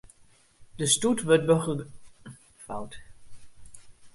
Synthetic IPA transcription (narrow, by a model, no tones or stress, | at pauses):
d̥əstutʋøt̚bəχ | fawt